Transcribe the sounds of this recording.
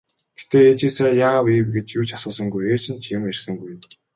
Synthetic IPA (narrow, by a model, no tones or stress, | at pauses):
ɡ̥et̪eːet͡ɕiːsaːrjaːwiːwɡet͡ɕjuːt͡ɕʰḁsʊːsə̆ŋɡujeːt͡ɕʰɪ̆nt͡ɕʰĭmerʲsə̆ŋɡujɘ̆n